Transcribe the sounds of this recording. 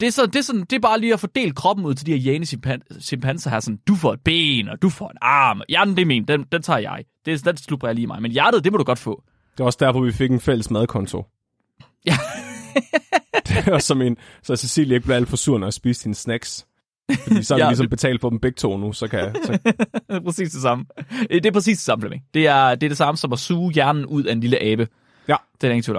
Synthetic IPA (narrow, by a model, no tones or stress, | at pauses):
d̥eæɐsɒ̽nd̥e̝sɒ̽nn̩d̥e̝b̥ɑ̈ːliːɒfɒ̽d̥e̝̰ːl̥̚kʰʁɒ̽b̥n̩uðˠt͡sʰe̝d̥i̥eɐjeːnəmpʰænɕempʰænsɐɦæsɒ̽n̩d̥ufɒ̰e̝d̥̚b̥ḛːnɒd̥ufɒ̰ːe̝nɑ̈ːmjænd̥e̝me̝ːnd̥end̥ent͡sʰɑ̰̈ːjɑ̈ɪd̥e̝d̥enslub̥ʁɐjaliːmɑ̈ɪmenjæɐɾ̥ð̩ˠd̥e̝mɒɾuɡ̥ɒ̽d̥fɔ̰̽ː | d̥e̝ɐɒsd̥æɐfɒ̽ʋife̝ɡ̥enfel̰əsmæð̞ˠkʰɒ̽nt͡sʰo̝ | jæ | d̥esɒ̽me̝nsɒsesḭːljeɡ̥̚bleʊæl̰d̥fɒsuɐ̰næsb̥iːsd̥insnæɡ̥s | fɒdiːsɒædilisɒ̽mb̥e̝t͡sʰɛ̰ːld̥fɒbm̩b̥e̝ɡ̥̚t͡sʰoːnusɒ̽kʰæs | pʰʁɛsḭːsd̥e̝sɑ̈məed̥e̝æɐpʰɛsḭːsd̥e̝sɑ̈məflemed̥e̝æɐd̥eɐd̥e̝sɑ̈məsɒ̽mɒsuːjæɐnn̩ʔuð̞̰ˠæe̝nliləʔɛːb̥ə | d̥eneɡt͡sʰḭ